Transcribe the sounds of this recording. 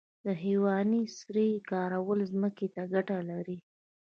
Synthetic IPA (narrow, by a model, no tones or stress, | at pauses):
d̪əɦewɑnisɾikɑɾawəlzməket̪aɡaʈalaɾi